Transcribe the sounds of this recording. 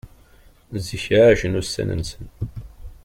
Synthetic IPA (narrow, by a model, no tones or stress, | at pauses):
ziçʕaʒənusːæ̰nə̰nsən